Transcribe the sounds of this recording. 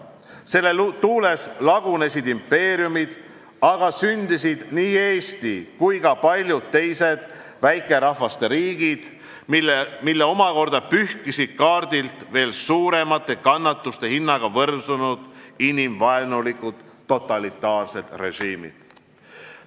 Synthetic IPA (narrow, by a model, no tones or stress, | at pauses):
se̞lːe̞lt̪uːle̞slɑɡ̥une̞sid̪impːe̞ːɾijumid̪̥ | ɑɡ̥ɑsynd̪isid̪̥niːe̞ːst̪ikujɡɑpɑlʲjud̪̥̚t̪ːe̞jse̞d̪̥ | væjkːˑe̞ɾɑhvɑst̪e̞ɾiːɡ̥id̪̥ | mimilːe̞o̞mɑko̞rd̪ɑpyhkisid̪̥̚kɑːrd̪̥ilt̪ve̞ːlsuːɾe̞mɑt̪ˑːe̞kɑnːɑt̪ːust̪e̞hinːɑɡ̥ɑvɤrsunud̪̥inimvɑenulikːud̪̥ːo̞t̪ːˑɑlit̪ˑːɑːrse̞d̪̥re̞̰ʒiːmḭd̪̥